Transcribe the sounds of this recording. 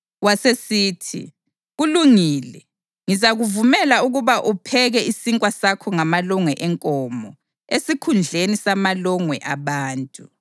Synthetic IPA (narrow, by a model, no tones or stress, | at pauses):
wasesiːtʰḭ | ɣuluŋiːlɛ | ŋizaɣuvumɛlauɣuβaʔupʰɛɣɛisiŋkʼwasakʰɔŋamalɔŋwɛʔɛŋkʼɔːmɔ | esikʰund͡ɮʱenisamalɔŋwɛʔaβaːntʼu